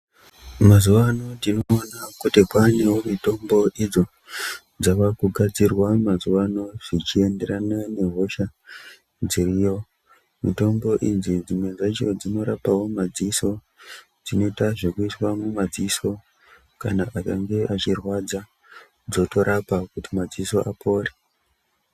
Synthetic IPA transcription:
mazuʋano̞ndinoːnakutikane̞wo̞mito̞mbo̞ʔid͡zo̞ | d͡zakakuɡʱad͡zirwamazuʋano̞ʐ̥it͡ʃie̞nde̞ɾanane̞ɦo̞ʃa | d͡zirijo̞ | mito̞mbo̞ʔinzid͡zimwe̞nd͡zat͡ʃo̞̰d͡zino̞ɾapawo̞mad͡ziso̞ | d͡zino̞itaʐe̞kuiswamumad͡ziso̞ | kanaʔakaŋɡe̞ʔat͡ʃirwad͡za | d͡zo̞to̞ɾapakutimad͡ziso̞ʔapʰo̞ːre

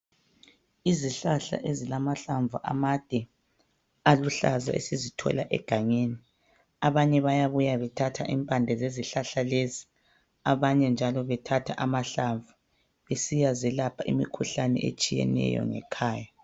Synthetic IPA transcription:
iziɬaɬa̰ʔezilamaɬaɱvuʔa̰mad̥ʱɛ | aluɬaza̰ʔḛsizitʰɔ̰laʔɛ̰ɡ̥ʱaɲeːni | aβaɲɛβajaβujaβɛtʰatʰaʔimpʼandʱɛzeziɬaɬalezi | aβaɲɛnd͡ʒʱalɔβɛtʰatʰaʔamaɬaɱvu | βesijazɛlapʰaʔimḭkʰuɬanɛ̰ʔḛt͡ʃʼijɛ̰nɛ̰jɔ̰ŋɛ̰kʰaːja

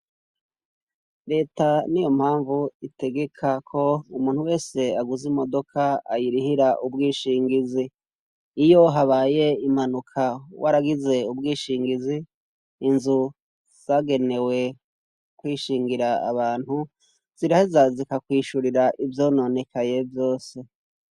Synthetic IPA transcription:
ɾe̞ːtanijo̞mhaːɱvuite̞ɡe̞kʰakʰo̞umuːnhuwe̞ːse̞aɡuzimo̞do̞kʰaajiɾihiɾaʔubɡiːʃiːŋɡiziː | jo̞ɦaβaːje̞im̥anukʰawaɾaɡize̞ub̚ɡiːʃiːŋɡiziː | nzu | z̥aːɡe̞ne̞we̞ | kwiːʃiːŋɡiɾa̰ːβaːn̥hu | z̥iɾahizazikakwiːʃuɾiɾaʔivjo̞ːno̞ne̞kaje̞vjo̞ːse̞

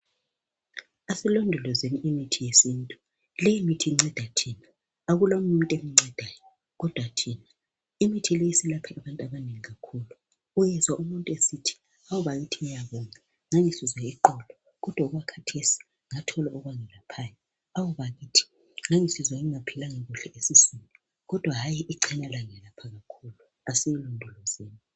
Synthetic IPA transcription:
asilɔndʱulɔzeniimitʰijesintʼu | lejimitʰiŋ͡ǀɛd̥ʱatʰiːna | aɣulaumuntʼemiŋ͡ǀɛd̥ʱaːjɔ | ɣɔd̥ʱwatʰiːna | imitʰileisilapʰiʔaβantʼaβaneŋiɣakʰuːlu | ujɛzwaʔumuntʼuesitʰi̥ | awuβaɣitʰiŋijaβɔːŋa | ŋaŋisizwaiǃɔlɔ | ɣɔd̥ʱwauɣakʰatʰesi̥ | ŋatʰɔlaʔɔɣwaŋɛlapʰaːjɔ | awuβaɣitʰi̥ | ŋaŋisizwaŋiŋapʰilaŋeɣuɬɛʔesisinʱi | ɣɔd̥ʱwaɦajiʔiǃʰɛnalaŋɛlapʰaɣakʰulu | asijilundʱulɔzeːni

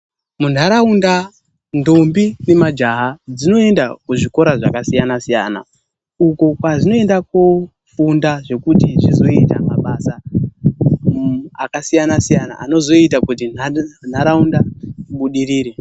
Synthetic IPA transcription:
mun̤aɾaunda | ndombine̞mad͡ʒaɦad͡zino̞e̞ndakuʐiko̞ɾaʐakasijanasija̰na̰ | uko̞kwaʐino̞e̞ndaku | fundaʐe̞kutit͡ʃizo̞itamaɓasa | akasijanasijana̰ʔa̰no̞zo̞itakut̬inan̤aɾaundaɓuɗiɾiːɾe

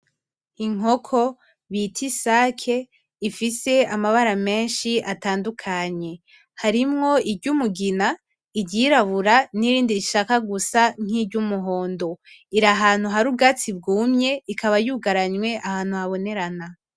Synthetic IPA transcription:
iŋ̥ɦo̞kʰo̞ | βitʰisaːkʰe̞ | ifise̞amaβaɾame̞ːnʃiʔataːndukʰaɲe̞ | haɾimŋo̞ibɟumuɡina | iɾɟiːɾaβuɾaniɾiːndiɾiʃakaɡusaŋ̥ibɟumuɦo̞ːndo̞ | iɾaɦaːn̥huɦaɾubɡat͡sibɡuːmɲe̞ikʰaβajuɡaɾaɲwe̞ʔahaːn̥huhaβo̞ne̞ɾana

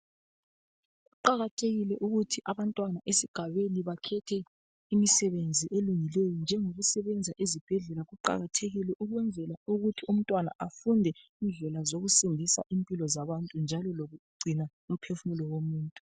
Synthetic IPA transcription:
ɣuǃaɣatʰeɣilɛʔuɣutʰiʔaβantʼwanaʔesiɡ̥ʱaβeniβakʰɛtʰɛ | imisɛβend͡zʱiʔeluŋilejɔnd͡ʒʱɛŋoɣusɛβɛnd͡zʱaʔezib̥ʱɛɮɛlaɣuǃa̰ɣatʰeɣilɛʔuɣwɛnd͡zʱɛlauɣutʰium̩tʼwana̰ʔafundʱɛind͡ɮɛlazoɣusindʱisa̰ʔimpʼilɔzaβantʼund͡ʒʱalɔloɣuɡ͡ǀʱina | um̩pʰefumulɔwomuːntʼu

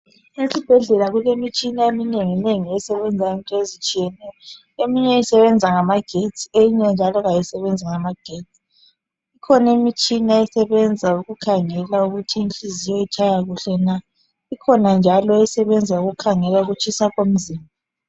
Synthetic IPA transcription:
esib̥ʱɛɮɛlaɣulemit͡ʃʼinaemineŋineŋiɛsɛβɛnd͡zʱaintʼɔezit͡ʃʼijɛnɛjɔ | emiɲɛisɛβɛnd͡zʱaŋamaɡ̥ʱetʰiejiɲɛnd͡ʒʱalɔɣajisɛβɛnd͡zʱaŋamaɡ̥ʱet͡sʰʼi̥ | ikʰɔnemit͡ʃʼinaɛsɛβɛnd͡zʱauɣukʰaŋɛlauɣutʰiːnt͡ɬʼizijɔit͡ʃʰʼajaɣuɬɛna | ikʰɔnand͡ʒʱalɔɛsɛβɛnd͡zʱauɣukʰaŋɛlauɣut͡ʃʰʼisaɣom̩ziːmbʱa

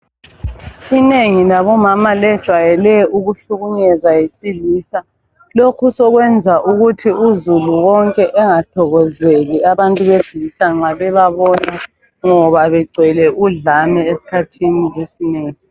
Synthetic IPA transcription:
ineŋilaβɔmamalɛd̥ʒ̥ʱwajɛlɛuɣuɬuɣuɲɛzwajisiliːsa | lokʰusɔɣwɛnd͡zʱaʔuɣutʰiuzuluwɔŋkʼɛʔɛŋatʰɔɣɔzeliaβantʼuβev̥ilisaŋ͡ǁaβɛβaβɔna | ŋɔβaβɛɡ͡ǀʱwɛlɛʔuɮamɛesi̥kʰatʰinilesineːŋi

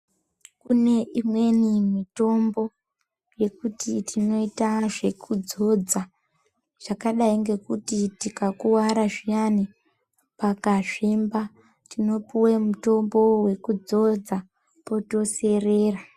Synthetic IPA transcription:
kune̞ʔimwe̞nimito̞mbo̞ | je̞kutitʰino̞itaʐe̞kʰud͡zo̞d͡za | ʐ̥akaɗaiŋɡe̞kutitikakuwaɾaʐijani | pakaʐimba | tino̞puwemuto̞mbo̞we̞kud͡zo̞d͡za | poto̞se̞reːra

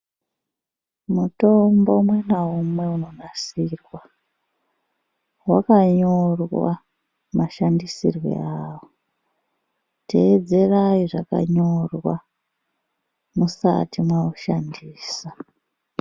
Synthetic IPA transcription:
muto̞mbo̞mwenaumwe̞uno̞nasirwa | wakaɲo̞rwa̰ | maʃandisḭrwḛawo | tʰe̞ːd͡ze̞rajiʐaka̰ɲo̞rwa | musa̰timwauʃandiːsa

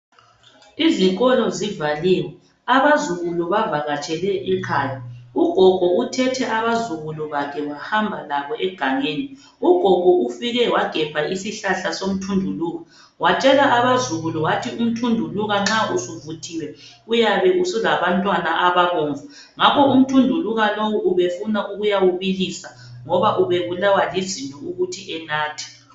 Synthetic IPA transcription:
iziɣʼɔlɔzivaliːwɛ | aβazuɣuluβavaɣat͡ʃʼɛlɛʔɛkʰaːjauɡ̥ʱɔɡ̥ʱɔutʰɛtʰɛʔaβazuɣuluβakʰɛβahambʱalaβɔʔɛɡ̥ʱaŋeːni | uɡ̥ʱɔɡ̥ʱɔufiɣɛwaɡ̥ʱɛpʰaisiɬaɬasom̩tʰundʱuluːɣa | wat͡ʃʼɛlaːβazuɣulɔwatʰium̩tʰundʱuluɣaŋ͡ǁausuvutʰiwɛ | ujaβɛʔusulaβantʼwanaʔaβaɣɔːɱva | ŋakʰɔum̩tʰundʱuluɣalowuʔuβefunaʔuɣujawuβilisa | ŋɔβaʔuβeβulawalizintʼɔuɣutʰiʔɛnaːtʰi̥

